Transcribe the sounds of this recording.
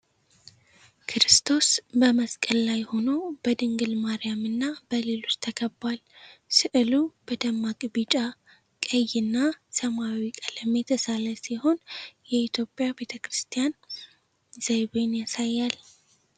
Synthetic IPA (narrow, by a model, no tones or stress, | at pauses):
kʰɨɾɨst̪ʰo̞sbəməskʼəlːajho̞no̞bəd̪ɨŋɡɨlmaɾijamɨnːabəlelost̪ʰəkʰəbːalsɨʔɨlubəd̪əmːakʼbit͡ʃʼa | kʼəjɨnːasəmawikʼələmːet̪ʰəsaləsiho̞njɛit̪ʰjo̞pʼjabe̞t̪ʰəkɾɨst̪ʰijan | z̥ajβenjasajːal